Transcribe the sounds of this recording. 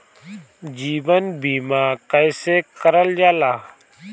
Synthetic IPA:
d͡ʒiːʋənbiːmaːkəjsekəɾəld͡ʒaːlaː

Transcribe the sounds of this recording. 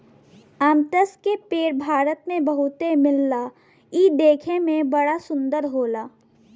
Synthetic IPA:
əːmt̪əskepeːɾbʱaːɾət̪mẽbɐɦʊt̪emɪlːa | id̪eːkʰẽmẽbɐɽasʊ̃nd̪əɾɦoːlaː

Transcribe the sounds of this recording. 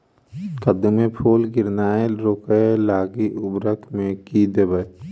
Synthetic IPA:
kəd̪mẽpʰoːlɡɪɾnaːeɾoːkəelaːɡiʔʊbɾəkmẽkid̪ebə

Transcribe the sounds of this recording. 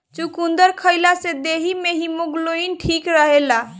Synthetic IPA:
t͡ʃukund̪əɾkʰəjlased̪eɦimeɦimoɡloinʈʰikɾəɦela

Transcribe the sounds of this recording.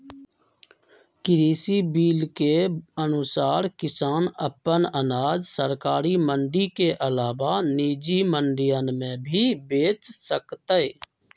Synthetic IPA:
kɪɾiːsibiːlkeənʊsaːɾkɪsaːnəpənənaːd͡ʒsəɾkaːɾimə̃ɳɖikeʔəlaːʋaniːd͡ʒiməɳɖɪjənmẽbʱibeːt͡ʃsəkt̪əe

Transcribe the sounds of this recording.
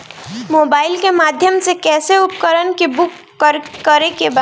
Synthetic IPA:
moːbaːɪlkemaːd̪ʱjəmsekɛːseʊpkəɾənkebʊkːəɾːəɾekeba

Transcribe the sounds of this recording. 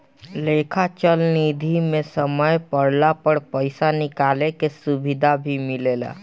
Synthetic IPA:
lekʰat͡ʃəlnid̪ʱimẽsəməjpəɽlapəɽpəɪsanɪkaːlekesubid̪ʱabʱimileːla̰

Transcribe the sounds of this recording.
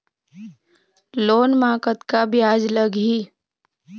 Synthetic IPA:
loːnmaːkət̪kabʱjaːd͡ʒləɡɦi

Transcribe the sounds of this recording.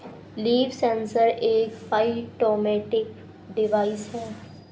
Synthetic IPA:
liːʋsɛ̃ːnsəɾeːkpaiʈoːmɛːʈɪk | ɖɪʋaːɪsɦɛː

